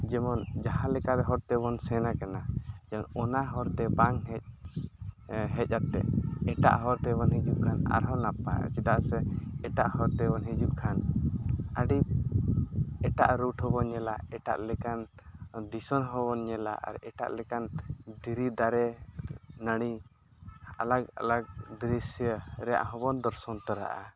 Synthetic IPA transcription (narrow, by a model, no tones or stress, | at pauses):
d͡ʒɛmɔnd͡ʒaɦãlɛkaɾɛɦɔɾt̪ɛbɔnsɛnakanad͡ʒɛmɔnɔnaɦɔɾt̪ɛbaŋɦɛc̚ | ɦɛc̪̚ˀat̪ːɛ̰ɛʈa̰ʔɦɔɾt̪ɛbɔnɦid͡ʒuʔ̚kʰana̰ɾɦɔnapa̰j̰t͡ʃit̪aʔsɛɛʈaʔhɔɾt̪ɛbɔnɦid͡ʒuʔ̚kʰan | aɖi | ɛʈa̰ʔɾuʈhɔbɔnɛlaɛʈa̰ʔlɛkan | d̪isɔnɦɔbɔnɲɛla̰ʔa̰ɾɛʈa̰ʔlɛkand̪iɾid̪aɾɛ | nəɽ̃i | a̰laɡa̰laɡ̚d̪ɾisjəɾɛja̰ʔɦɔbɔnd̪ɔɾsɔnt̪ɔɾa̰ʔa̰